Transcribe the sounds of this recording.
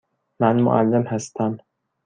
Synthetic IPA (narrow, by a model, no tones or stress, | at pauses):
mænmo̰ʔælːemhæst̪ʰæm